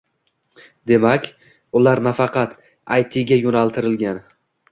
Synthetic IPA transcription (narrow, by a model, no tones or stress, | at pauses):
d̪e̞makʲ | ʊlaɾnafɑqʰɑt̪ | ajt̪ʰɪɡʲajonalˠt̪ʰɪɾɪlɡʲan